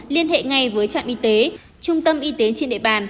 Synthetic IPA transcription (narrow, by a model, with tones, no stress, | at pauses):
li˧ənɦḛ˧˨ŋa˧jvəː˨˦jt͡ɕa̰ː˧˨ŋʔi˧t̪e˨˦ | t͡ɕʊ˧ŋ͡mt̪ə˧mʔi˧t̪e˨˦t͡ɕe˧nɗḛ˧˨ɓaː˨˩n